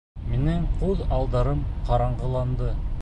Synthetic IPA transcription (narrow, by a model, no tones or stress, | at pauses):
meneɴqʰoðɑlˠd̪ɑɾəmqʰɑɾɑɴʁəlˠɑnd̪ə